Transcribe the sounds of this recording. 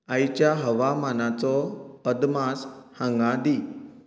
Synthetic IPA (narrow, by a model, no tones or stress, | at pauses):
ajt͡ɕjaɦəʋamanat͡sɔəd̪mashãŋɡãd̪i